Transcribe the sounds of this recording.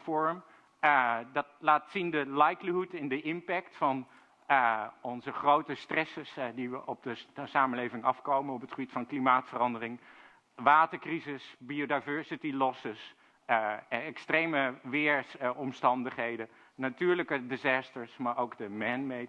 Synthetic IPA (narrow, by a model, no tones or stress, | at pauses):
fɔɹm | dɑt̚laːtsindəlajkliɦutɪndəʔɪmpɛktfɑn | ɔnzəχrowtəstrɛsəsdiʋəʔɔp̚dəsaːməlejvɪŋɑfkowmənɔpətχəbitfɑnklimaːtfərɑndərɪŋ | ʋaːtəɹkrizɪsbiodajvɛɹsitilɔsəs | ɛkstrejməʋɪːɹɔmstɑndəχɦejdə | natyːɹləkədɪzaːstəɹsmaːɹʔowkdəmɛnme